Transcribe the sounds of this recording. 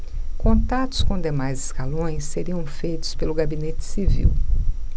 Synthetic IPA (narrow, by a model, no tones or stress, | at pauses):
kõnt̪at̪ʊ̥skõd̪emajzɪskalõj̃seɾiɐ̃w̃fejt̪ʊ̥spelʊɡabinet͡ʃɪ̥sivḭw